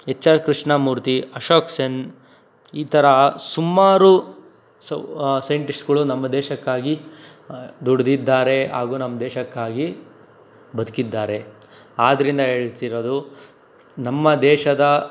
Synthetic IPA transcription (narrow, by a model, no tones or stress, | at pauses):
et͡ʃːɐkɾiʂɳɐmuːɾt̪iɐʃoːksen | iːt̪ʰɐɾɐsumːaːɾu | ssɐjɳʈiksɡɐɭunɐmːɐd̪ɛːʃɐkːaːɡi | d̪uɽd̪id̪ːaːɾe̞ɦa̰ːɡuːnɐmːɐd̪ɛːʃɐkːaːɡi | bɐd̪ukid̪ːaːɾe̞ | aːd̪ɐɾind̪ɐɦeːɭit̪iɾo̞ːd̪u | nɐmːɐd̪ɛːʃɐd̪ɐ